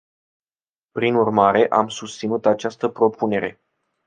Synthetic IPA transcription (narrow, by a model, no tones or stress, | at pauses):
pɾinurmaɾe̞ʔamsust̪sinut̪at͡ʃast̪əpɾo̞pʰune̞ɾe̞̰